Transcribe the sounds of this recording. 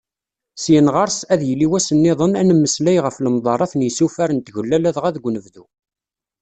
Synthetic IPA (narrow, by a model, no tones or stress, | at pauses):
sjənʁɑɾˤsæðjəlːiwæsənːɪðˤənænəmːəslæjʁəfləmðˤɑɾˤɑθnjsufæɾənt̪ʝəlːælæðʁæðɡʷnəvðu